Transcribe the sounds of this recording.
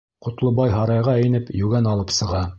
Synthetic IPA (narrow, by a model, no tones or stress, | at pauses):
qŏt̪lˠɤbɑjɦɑɾɑjʁɑæjɘ̆nɘpjʉɡænɑlˠɤpsɤ̆ʁɑ